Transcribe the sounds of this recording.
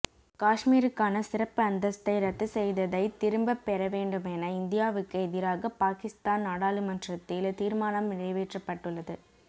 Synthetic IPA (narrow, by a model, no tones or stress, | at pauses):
kaːʂmiːɾɯkːaːnɐsɪɾɐpːɯɐnd̪ɐst̪ɐɪɾɐt̪ːɯsɛjðɐðɐɪt̪ːɪɾɯmbɐpːɛɾɐʋeːɳɖɯmɛnɐɪnd̪ɪjaːʋɯkːɯɛðɪɾaːɣɐpaːkɪst̪aːnnaːɽaːlɯmɐndrɐt̪ːɪlt̪iːɾmaːnɐmːɪɻɐɪʋeːʈrɐpːɐʈːɯɭːɐðɯ